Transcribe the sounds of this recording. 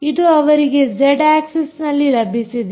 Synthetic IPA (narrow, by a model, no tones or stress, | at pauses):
id̪uɐʋɐɾiɡe̞d͡ʒeɖaːksesnɐlːilɐbʱisid̪